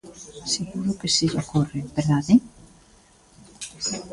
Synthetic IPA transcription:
seɣuɾʊkesiʎakorebeɾðaðe

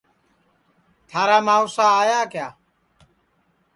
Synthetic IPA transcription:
t̪ʰaːɾaːmaːʊsaːaːjaːkjaː

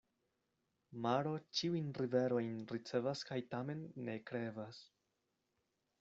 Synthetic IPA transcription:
maɾo̞t͡ʃiujnɾive̞ɾo̞jnɾit͡se̞vaskajtame̞nːe̞kɾe̞vas

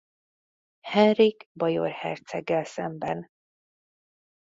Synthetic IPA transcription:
hɛnriɡbɒjo̰rhɛ̰rt̪sɛɡːɛlsɛmbɛn

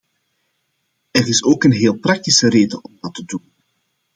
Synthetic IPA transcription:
ɛrɪsoːkənɦeːlˠprɑk̚tisəreːdəʔɔmdɑtədun

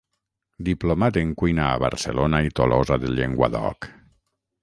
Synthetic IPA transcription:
d̪iplomat̪eŋkwujnaːβa̰ɾselonait̪olʔozaðeʎeŋɡwa̰ðɔ̰k

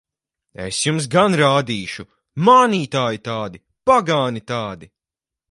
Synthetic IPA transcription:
ḛsjums̬ɡanɾaːd̪iːʃu | maːniːt̪aːjit̪aːd̪i | paɡaːnit̪aːd̪i

